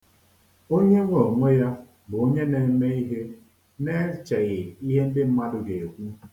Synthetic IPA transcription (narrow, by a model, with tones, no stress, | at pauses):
o˦ɲe˦ŋʷo˨mo˦ja˦ | bʊ˨o˦ɲe˦ne˨˦me˦i˦ɦe˦ | ne˦t͡ʃe˨ɣɪ˨i˦ɦe˦m̩˦dɪ˦m̩˦ma˦dʊ˦ɡe˨e˨kʷu˦